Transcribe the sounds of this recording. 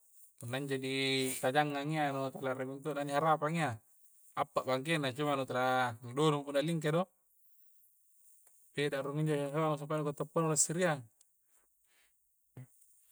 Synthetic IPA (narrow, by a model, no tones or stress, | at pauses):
punːaɲd͡ʒadit̪ad͡ʒaŋːaŋianut̪elaɾebiŋt̪̬unaniɦaɾapaŋia | apːaʔbaŋk̬enat͡ʃumanut̪eladonupunːaliŋk̬edo | pedaɾuŋiɲd͡ʒosalaŋus̬apanukot̪ːopːanulasiɾiaŋ